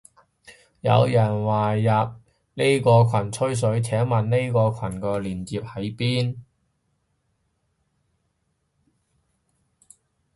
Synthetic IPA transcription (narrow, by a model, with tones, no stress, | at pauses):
jɐ̰˨˧wjɐ˨˩nwaː˨jɐ˨p̚ | ne˥jkɔː˧kʰɐ˨˩nt͡sʰɵ˥ɥs̬ɵ˨˥ɥt͡sʰɛː˨˥ŋmɐ˨nne˥jkɔː˧kʷʰɐ˨˩nkɔː˧liː˨˩nt͡siː˨p̚hɐ˨˥jpiː˥n